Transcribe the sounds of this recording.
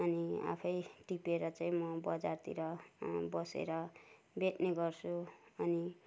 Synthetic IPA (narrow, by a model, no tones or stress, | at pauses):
ʌnia̰pʰʌjʈipeɾʌt͡saĩmʌbʌd͡zart̪ḭɾʌbʌsḛɾʌ | beʈneɡʌrt͡sʰuʌni